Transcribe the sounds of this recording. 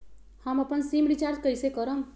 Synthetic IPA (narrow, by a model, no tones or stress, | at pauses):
hamʌpʌnsimɾit͡ʃaɾd͡ʒkʌjsekʌɾʌm